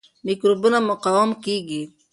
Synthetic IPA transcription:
mikɾubunamʊqawamkiɡi

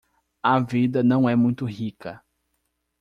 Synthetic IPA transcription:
ɐvid̪ɐnɐ̃w̃ɛmũj̃t̪ʊhikɐ

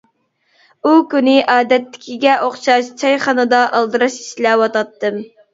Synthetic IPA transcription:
ukʲynɪʔɑːd̪ɛt̪ːɪ̥kʲʰiɡʲɛʔoχʃɑʃt͡ʃʰɑjχɑnɨd̪ɑʔɑlˠd̪ɨɾɑʃi̥ʃlɛwɑt̪ɑt̪ːɨm

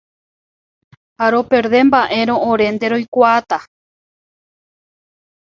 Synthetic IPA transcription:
haɾo̞pe̞ɾðe̞mbaʔe̞ɾõ̞õɾẽ̞nd̪e̞ɾo̞jkʷaat̪a

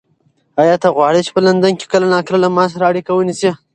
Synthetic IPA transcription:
ajɑt̪aɣwɑɽet͡ʃe̥pəland̪anke̥kəlanɑkɾalamɑs̬aɾaːɽikawənisi

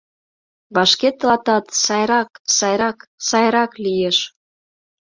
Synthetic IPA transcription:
βɑʃket̪lɑt̪ɑt̪sɑjɾɑksɑjɾɑksɑjɾɑklijeʃ

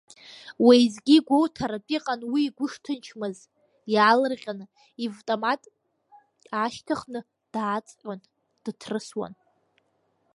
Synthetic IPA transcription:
wejzɡʲiɡʷowtʰaɾapʼiqʼanwiːɡʷʊʂtʰɨnt͡ʃʰmɨz | jaːlɨrʁʲanɨ | ivtʼomatʼ | aʃtʰaχnɨ | d̥aːt͡sʼʕʷʼan | d̥ɨtʰrɨswa̰n

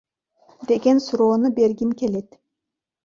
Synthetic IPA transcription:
d̪eɡʲɛnsuɾonɯbeɾɡʲimkʲʰelet̪

